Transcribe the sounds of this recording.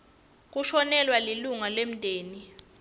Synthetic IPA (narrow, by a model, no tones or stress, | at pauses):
k̬uʃɔnɛlwaliluŋalem̩dʱeːni